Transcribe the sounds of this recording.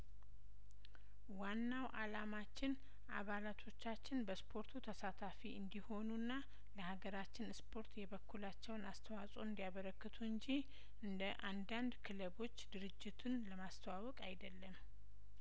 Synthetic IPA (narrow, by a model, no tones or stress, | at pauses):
wanːawʔalamat͡ʃːɪn | ʔa̰βalat̪ʰo̞t͡ʃːat͡ʃːɪnbəspʰo̞ɾt̪ʰut̪ʰəsat̪ʰafiɨnd̪iho̞nunːa | ləhaɡəɾat͡ʃːɪnspʰo̞ɾt̪jɛβəkʰːulat͡ʃːɛwnast̪ʰəwasʼoɨnd̪ijaβəɾəkːɨt̪ʰuɨɲd͡ʒi | ɨnd̪əʔand̪and̪kʰɨləβo̞t͡ʃːd̪ɨɾɨd͡ʒːɪt̪ʰunləmast̪ʰəwawɔkʼajd̪əlːəm